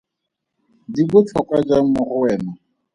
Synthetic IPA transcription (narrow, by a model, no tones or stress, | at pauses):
dibʊt͡ɬʰɔkwad͡ʒaŋ̩mʊχʊwɛːna